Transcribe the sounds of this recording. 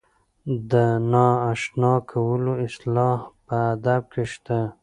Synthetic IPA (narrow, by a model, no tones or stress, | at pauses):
d̪ənɑaʃnɑkʰawəloɪslɑhpəːd̪ab̚keʃt̪a